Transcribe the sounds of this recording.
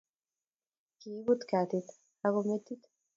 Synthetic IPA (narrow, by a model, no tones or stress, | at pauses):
kiːbut̪kat̪it̪ | aɣomet̪ːit̪